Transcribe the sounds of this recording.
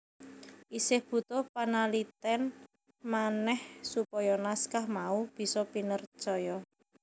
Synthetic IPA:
ʔisɪhb̥ṳt̪ʊhpanalit̪ɛn | manɛhsupɔjɔnaskahmaub̥i̤sɔpinərt͡ʃɔjɔ

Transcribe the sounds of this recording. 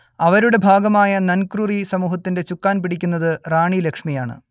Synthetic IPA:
ɐʋɐɾuɽe̞bʱaːɡɐmaːjɐnɐnkrurisɐmuːɦɐt̪ːinde̞t͡ɕukːaːnpiɽikʲːunːɐðɨraːɳilekʂmijaːɳɨ̰

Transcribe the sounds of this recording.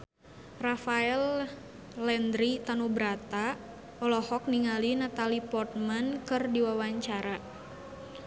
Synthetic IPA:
rafaɛl | lɛnd̪ɾit̪anubɾat̪a | ɔlɔhɔk̚niŋalinat̪alipɔrt̪̚mankɨrdiwawaɲt͡ʃaɾa

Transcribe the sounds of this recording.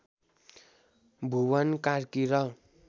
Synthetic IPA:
bʱuwʌnkarkiɾʌ

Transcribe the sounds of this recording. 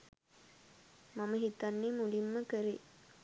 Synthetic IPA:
maməɦit̪ɐnːeːmulimːəkəɾe

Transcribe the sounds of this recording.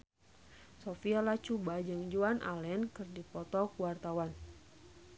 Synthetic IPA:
sofialat͡ʃubad͡ʒɨŋd͡ʒuanʔa̰lɛnkɨrdipɔt̪ɔkuwart̪awan

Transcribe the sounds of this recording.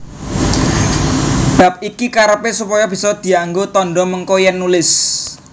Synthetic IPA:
b̥a̤p̚ikikaɾəpesupɔjɔb̥i̤sɔd̪̥i̤aŋɡot̪ɔnɖɔməŋkojɛnːulɪs

